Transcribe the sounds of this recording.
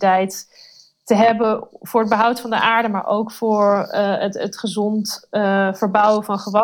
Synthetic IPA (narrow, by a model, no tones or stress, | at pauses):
tɛjt | təɦɛbənvʊːɹəd̚bəɦʌwtfɑndəʔaːɹdəmaːɹʔo̰wkfʊːɹətətχəzɔntv̥əɹbʌwəvɑnχəʋo